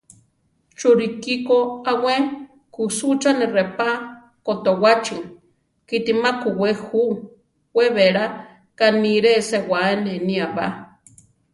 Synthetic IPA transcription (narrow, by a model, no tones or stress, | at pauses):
t͡ʃuɾikikoawe | kusut͡ʃanerepa | kot̪owat͡ʃi | kit̪imakuwehuʔ | weβeɾa | kaniɾesewaeneniaβa